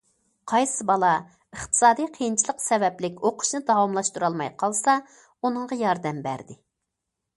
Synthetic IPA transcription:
qʰɑjsɨbɑlˠɑ | əχt̪ʰɨ̥sɑːd̪ijqʰəjint͡ʃʰilˠəqsɛvɛplɪkʲoqʰʊ̥ʃnɨd̪ɑwɑmlˠɑʃt̪uɾɑlˠmɑjqʰɑlˠsɑ | unɨɴʁɑjɑɾd̪ɛmbæ̰ɾd̪ɪ

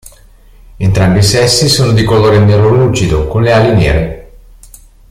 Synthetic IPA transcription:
ent̪ɾambisɛsːisoːnod̪ikoloːɾenːeɾloluːt͡ʃid̪okonlealinjɛ̰ːɾe

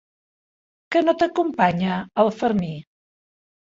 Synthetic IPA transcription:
kənot̪əkumpaɲəəlˠfəɾmi

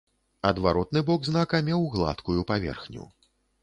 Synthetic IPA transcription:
ɐd̪vaɾɔt̪nɨbɔɡznakɐmʲɛwɣlˠa̰t̪kujupavʲɛ̰rxnʲṵ

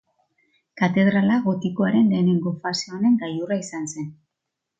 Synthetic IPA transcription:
kat̪e̞ð̞ɾalaɣo̞t̪iko̞aɾe̞nle̞ːneŋɡo̞faseone̞ŋɡ̪ajuraisanse̞n

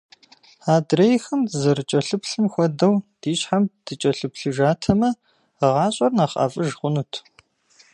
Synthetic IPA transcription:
aːdrejxɐmzɐɾɨt͡ʃʼɐɬɨpɬɨmxʷɔdɐwd̥iːɕħamd̥ɨt͡ʃʼɐɬɨpɬɨʒaːtʰɐmɐ | əʁɑːɕʼɐrnaːχʼa̰ːfʼɨʒχʷʊnuːtʰ

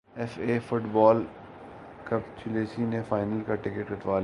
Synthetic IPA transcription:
ɛfeːfʊʈbɔːl | kɐpt͡ʃʊleːsinefaːɪnəlkaʈɪkəʈ̚kɐʈ̪ʋaːl

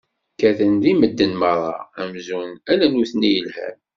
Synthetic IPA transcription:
kæθənðiməd̪ːənməɾˤɑ̰æmzunælænuθnijəlhæ̰m

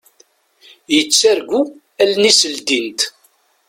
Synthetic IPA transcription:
jət͡sːæɾɡu | ælnisəld̪int̪

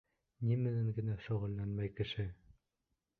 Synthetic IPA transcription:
nimɘ̆næŋɡɘ̆næʃŏʁɤ̆lːænmæjkɘ̆ʃɘ

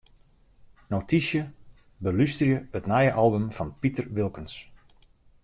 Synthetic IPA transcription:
notisjəbəlystrjəətnajəʔɑlˠbəmfɑnpitərʋɪlˠkəns

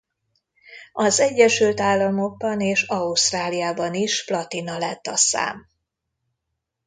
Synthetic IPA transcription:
ɒzɛɟːɛʃylt̪aːlːɒmo̞ɡ̚bɒneːʃɒust̪raːlijaːbɒniʃflɒt̪inɒlɛt̪ːɒsa̰ːm

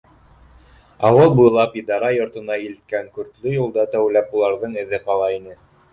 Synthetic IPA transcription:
ɑwɤlˠbuj̆lˠɑpid̪ɑɾɑjŏɾt̪ɤ̆nɑilɘ̆t̪̚kæŋkɵ̆ɾt̪lɵjulˠd̪ɑt̪æwlæpulˠɑɾðɤɴɘ̆ðɘχɑlˠɑinɘ

